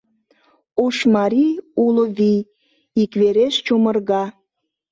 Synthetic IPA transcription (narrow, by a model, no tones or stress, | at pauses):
oʃmɑɾʲiuloβij | ikβeɾeʃt͡ɕomərɣɑ